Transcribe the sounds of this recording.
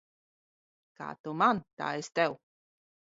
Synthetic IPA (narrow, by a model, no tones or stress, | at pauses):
ka̰ːt̪omant̪a̰ːɛst̪ɛw